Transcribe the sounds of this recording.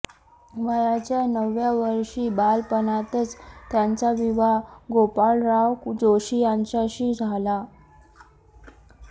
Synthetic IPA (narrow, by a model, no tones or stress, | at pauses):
ʋəjat͡ɕjanəʋjaʋəɾʂiːbalpənat̪ət͡st̪jant͡saʋiʋaɡopaɭɾaʋkd͡zoɕiːjaɲt͡ɕaɕiːd͡zʱala